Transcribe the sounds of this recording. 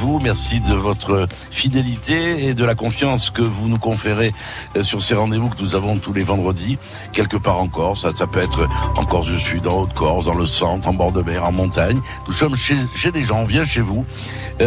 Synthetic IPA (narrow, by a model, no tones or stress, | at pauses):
vumɛʁsid̪əvɔt̪χə | fid̪elit̪eːd̪əlakɔ̃fjɑ̃skəvunukɔ̃feʁe | syʁseʁɑ̃d̪evukənuzavɔ̃t̪ulevɑ̃d̪ʁəd̪i | kʲɛlkəpaʁɑ̃kɔʁsasapøɛt̪χəɑ̰̃kɔʁzd̪əsyd̪ɑ̃ot̪kɔʁd̪ɑ̃ləsɑ̃t̪χɑ̃bɔʁd̪əbɛʁɑ̃mɔ̃t̪aɲ | nusɔmʃeʃeleʒɑ̃ɔ̃vjɛ̃ʃevu